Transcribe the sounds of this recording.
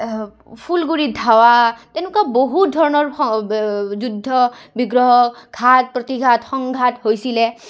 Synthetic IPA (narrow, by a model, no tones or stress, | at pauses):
pʰulɡuɹid̪ʱawat̪enukaboɦutdʱɔɹɔnɔɹ | d͡ʒud̪ʱːɔbiɡɹɔɦɔkʰat̚pɹɔt̪iɡʱatxɔŋɡʱathojsilɛ